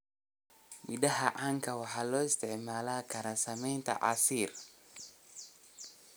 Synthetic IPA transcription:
midahaʔaŋkawaħalɔɪst̪ɛʕmaːlakaɾasamɛjnt̪a̰ʔa̰siɾ

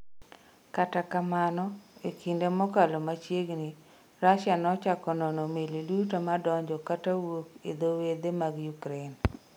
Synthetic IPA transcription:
katakamanɔekindemɔkalɔmat͡ʃjeɡni | ɾaʃanɔt͡ʃakɔnɔnɔmelidutamadɔɲd͡ʒɔkatawokḛd̪owed̪emaɡjukɾen

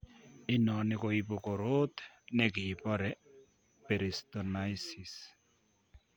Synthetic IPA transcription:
inɔnikoipokoɾot̪ɛ̥ | nɛkipɔɾɛ | peɾist̪ɔnajsis

